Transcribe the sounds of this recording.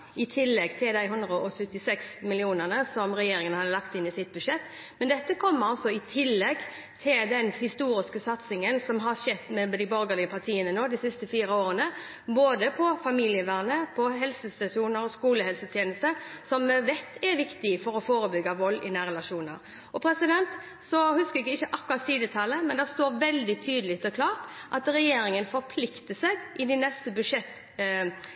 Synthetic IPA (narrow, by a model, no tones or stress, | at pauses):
ɪt̪ʰɪlːɛɡt̪ʰɪld̪æɪɦʉnd̪ɾəʔɔsʉt̪ːɪsɛksmɪlɪuːnəʁnəsɔmɾɛjeːɾɪŋənhɑd̪əlɑkt̪ɪnɪsɪt̪̚bʉʂɛt̪ː | mɛnd̪ɛt̪ːəkʰɔmːəɾɔsɔɪt̪ʰɪlːɛɡ | t̪ʰɪld̪ɛnhɪst̪uːɾɪskəsɑt̪sɪŋənsɔmɦɑɾʂɛt̪ːmɛd̪ɪbɔɾɡəlɪɡəpʰɑʁt̪ʰiːənənoːd̪ɪsɪst̪əfiːɾəoːɾənə | boːd̪əpʰɔfɑmilɪəʋæːʁnəpʰɔɦɛlsəst̪ɑʂuːnəɾɔskuːləhɛlsət̪ʰjeːnəst̪əɾsɔmːɛʋɛt̪ːɛɾʋɪkt̪ɪfɔɾɔfoːɾəbʏɡːɑʋɔlːɪ̰næːɾɛlɑʂuːnə̰ɾ | ɔpʰɾɛsɪd̪ɛnt̪ | sɔhʉskəɛɡɪçːəʔɑkːʉɾɑt̪siːd̪ət̪ʰɑlːəmɛnd̪æʁst̪oːɾʋɛld̪ɪt̪ʰyːd̪lɪkt̪ɔkʰlɑːʁt̪ʔɑt̪ɾɛjeːɾɪŋənfɔɾpʰlɪkt̪əsɛɡʔɪd̪ɪnɛst̪əbʉʂɛt̪ː